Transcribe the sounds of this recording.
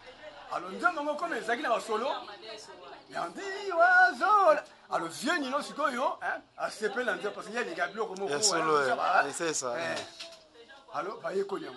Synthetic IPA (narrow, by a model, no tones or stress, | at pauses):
alɔndemaŋɡokomeezaak̬inabasolo | ja̰ndiwazola | alɔzjeninosikojoɛasepelinandepaskeeliŋɡabilɔkomɔswaolaba̰asesaɛ | alɔbajekoliaŋɡo